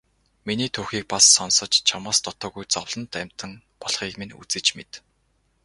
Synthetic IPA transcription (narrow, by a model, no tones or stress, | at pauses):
miniːt̪ʰuːxiːk̚pasːɔnsɞ̆t͡ɕt͡ɕʰamaːst̪ɔt̪ɔːɣujt͡sɔwɮ̥ɞ̆nt̪æm̥ʲt̪ə̆ŋ | pɔɮχiːkmenṵt͡sɘ̆t͡ɕmḛt̪